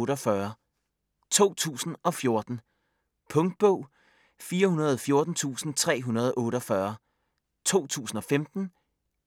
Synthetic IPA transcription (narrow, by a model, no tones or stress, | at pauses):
ɾɒfɶɐ | t͡sʰo̝̰ːt͡sʰṵːsn̩ɒ̽fjo̝ɐd̥n̩ | pʰɔ̽ŋd̥̚b̥ɔ̽ʊ̰ | fiːɐhunɐð̞ˠɒfjo̝ɐd̥n̩t͡sʰṵːsn̩t͡sʰʁɛ̰ːɦunɐð̞ˠɒʔɔ̽ːɾ̥ɒ̽fɶːɐ | t͡sʰo̝̰ːt͡sʰṵːsn̩ɒ̽femd̥n̩